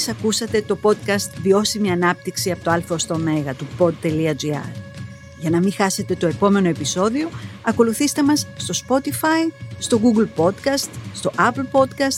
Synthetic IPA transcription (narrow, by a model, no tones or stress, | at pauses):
sɐkusɐt̪e̞t̪o̞po̞t̪̚kɐst̪vio̞simiɐnɐp̚t̪iksiɐpot̪oɐlfost̪o̞me̞ɣɐt̪upo̞d̪̚t̪e̞liɐd͡ʒiɐ̰ɾ | ʝɐnɐmixɐse̞t̪e̞t̪oe̞po̞me̞no̞e̞piso̞ðio̞ɐko̞luθist̪e̞mɐsːt̪o̞spo̞t̪ifɐist̪o̞ɣuɡlpo̞t̪kɐst̪st̪o̞ʔɐplpo̞d̪kɐst̪